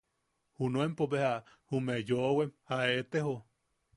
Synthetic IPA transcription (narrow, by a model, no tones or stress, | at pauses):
hunoempoβeha | humejoʔwemhaet̪eɦo